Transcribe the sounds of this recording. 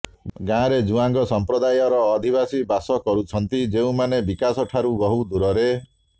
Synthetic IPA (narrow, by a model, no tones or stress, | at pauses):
ɡãɾed͡ʒuaŋɡɔsɔmpɾɔd̪ajɔɾɔːd̪ʱibasibasɔkɔɾut͡ʃʰɔnt̪id͡ʒeũmanebikasɔʈʰaɾubɔɦud̪uɾɔɾe